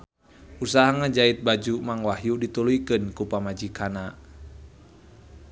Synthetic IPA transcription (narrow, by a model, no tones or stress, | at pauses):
usaɦaŋad͡ʒait̪̚bad͡ʒumaŋwahjudit̪ulujkɨnkupamad͡ʒikana